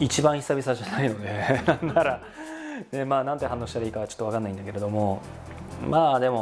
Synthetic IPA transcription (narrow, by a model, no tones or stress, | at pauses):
it͡ɕibãɰ̃çi̥sabʲis̬aʑanaino̞d̪e̞nãnːaɾa | ne̞maːnãnt̪e̞ɦãnːoːɕit̪aɾaiːkaɡat͡ɕot̪ːo̞akanːaĩnd̪ake̞ɾe̞d̪o̞mo̞ | maːd̪e̞mo̞